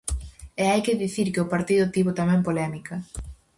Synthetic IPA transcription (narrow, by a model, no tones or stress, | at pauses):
eajkɪðiθiɾkɪʊpaɾt̪iðʊt̪iβʊt̪amɛ̃mpolɛmikɐ